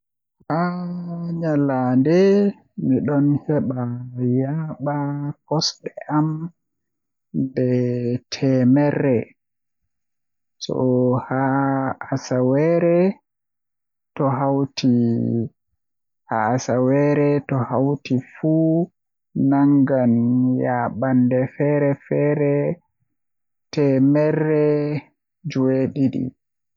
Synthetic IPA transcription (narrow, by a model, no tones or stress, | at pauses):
ha | ɲalandɛ | miɗɔnhɛɓajaɓakɔsɗɛʔam | ndɛtʰɛmɛrːɛ | sɔ̰haː | sawɛɾɛ | tɔɦawtʰi | haasawɛɾɛtɔhawtifu | naŋɡanjaɓandɛfɛːɾɛfɛːɾɛ | tɛmɛrːɛ | d͡ʒuweɗiɗḭ